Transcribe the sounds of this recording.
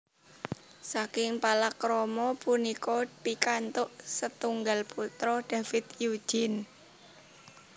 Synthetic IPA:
sakɪŋpalakɾɔmɔpunikɔpikant̪ʊʔsət̪uŋɡalput̪ɾɔɖ̥a̤fɪt̪ju̥d͡ʒ̥ɪn

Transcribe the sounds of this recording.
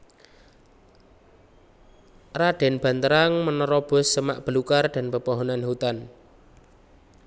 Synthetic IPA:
raɖ̥ɛ̤nb̥ä̤nt̪əɾaŋmənɔɾɔb̥ʊ̤sːəmaʔb̥əlukarɖ̥a̤npəpɔɦɔnanhut̪an

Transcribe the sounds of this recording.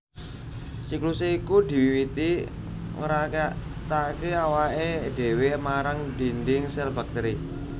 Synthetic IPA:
sikluseikud̪i̤wiwit̪i | o̰ɾakt̪akeawaʔeɖ̪̥e̤wemaɾaŋd̥i̤nd̪ɪŋsɛlba̤k̚t̪əɾi

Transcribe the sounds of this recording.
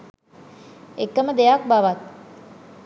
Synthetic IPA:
ekːəməd̪ejak̚baʋat̪̚

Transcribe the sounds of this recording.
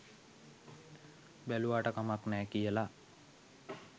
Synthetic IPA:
bæluʋaːʈəkamaknɛːkijəla

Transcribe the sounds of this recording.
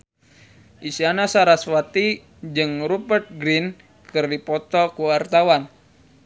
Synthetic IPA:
ʔisianasaɾaswat̪i | d͡ʒɨŋɾupərt̪̚ɡɾin | kɨrdipɔt̪ɔkuart̪awan

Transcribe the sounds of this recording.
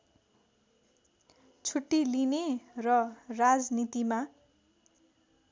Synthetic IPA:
t͡sʰuʈːilinerʌrad͡znit̪ima

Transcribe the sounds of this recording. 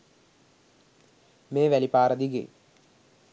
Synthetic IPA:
meːʋælipaːɾəd̪iɡḛ

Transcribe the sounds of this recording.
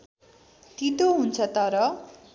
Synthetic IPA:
t̪it̪oɦunt͡sʰʌt̪ʌɾʌ

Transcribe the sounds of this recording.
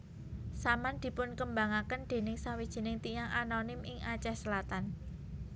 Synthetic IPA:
samand̪̥i̤pʊnkəmbaŋakənd̪̥e̤nɪŋsawid̥ʒ̥i̤nɪŋt̪ijaŋʔanonɪmʔɪŋat͡ʃɛhsəlat̪an

